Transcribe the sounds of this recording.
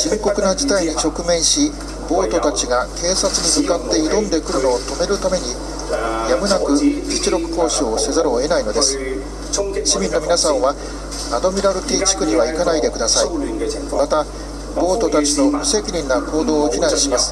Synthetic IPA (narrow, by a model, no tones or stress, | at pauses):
ɕimʲiko̞kɯ̟nad͡ʑi̥t̪aiɲ̟it͡ɕo̞kɯ̟mẽ̞ɰ̃ɕi | bo̞ːt̪o̞t̪at͡ɕiɡakʰe̞ːsat͡sɨɲ̟imɯkat̪ːe̞id̪õ̞nd̪e̞kɯ̟ɾɯ̟no̞ːt̪o̞me̞ɾɯ̟t̪ame̞ɲ̟i | jamɯ̟nakɯ̟d͡ʑit͡ɕiɾo̞kɯ̟̥ko̞ːɕiose̞zaɾoe̞naino̞d̪e̞sɨ̥ | ɕimʲĩnːo̞mʲinasãɰ̃βa | ad̪o̞mʲiɾaɾɯ̟k̪ʲiːt͡ɕi̥kɯ̟ɲiβaikanaid̪e̞kɯ̟d̪asai | mat̪a | bo̞ːt̪o̞t̪at͡ɕino̞ose̞kʲiɾʲĩnːakʰo̞ːd̪o̞ːçʲinaɲ̃ɕimasɨ̥